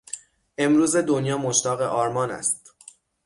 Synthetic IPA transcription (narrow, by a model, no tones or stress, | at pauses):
ʔe̞mɾuːze̞d̪onjɒːmoʃt̪ɒːɣe̞ʔɒːɾmɒːnæ̰st̪